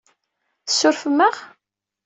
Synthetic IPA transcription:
θəsːʊɾfəmːəʁ

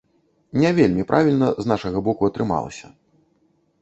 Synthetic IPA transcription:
nʲɛvʲelʲmʲipɾʔavʲilʲnɐznaʂɐɣɐbɔkuɐt̪ɾɨma̰lˠɐ̰sʲɐ

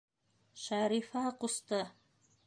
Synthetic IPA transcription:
ʃæɾifɑqust̪ɤ

